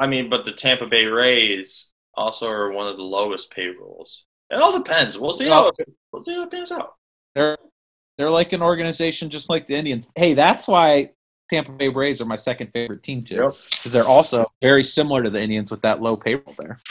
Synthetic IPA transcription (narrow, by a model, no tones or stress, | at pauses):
aɪmĩnbʌt̪̚ðɨtʰæ̃mpɨbeɪɹeɪz̥ | ʔɔ̰lˠsoʊə˞wʌ̃nʌvðəloʊəspʰeɪə˞l̩ˠz̥ | ʔɨ̃nɔlˠdəpʰɛ̃ndzwilˠsihawilˠsiaʊət̚pɪ̃ŋzaʊt̚ | ðə˞ | ðə˞laɪkɨ̃nɔɹɡɨnɨzeɪʃɨ̃n̩d͡ʒʌstˡlaɪk̚ðiɪ̃ndiɨ̃nzheɪðætswaɪ | tʰæ̃mpəbeɪɹeɪzə˞maɪsɛkɨ̃nd̥feɪvə˞ɨtʰĩmtʰʉkʰʌzðə˞ʔɔlˠsoʊvɛɹisɪ̃ml̩ˠə˞ɾɨðiɪ̃ndiɨ̃nzwəðəʔˡloʊpʰeɪpl̩ˠðə̰˞